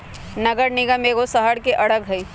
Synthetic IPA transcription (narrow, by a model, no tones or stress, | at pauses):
nɐɡəɾnɪɡəmeːɡosəɦəɽkeʔɐɽəɡɦɐi